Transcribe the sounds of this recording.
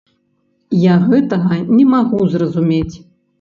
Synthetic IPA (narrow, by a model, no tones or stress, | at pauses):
jaɣɛt̪ɐɣɐnʲɛmaɣuzrɐzumʲet͡sʲ